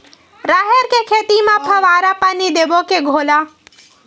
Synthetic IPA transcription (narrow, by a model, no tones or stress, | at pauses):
ɾaːɦeɾkekʰeːt̪imãpʰəʋaːɾapaːnid̪ebokeɡʱoːlaː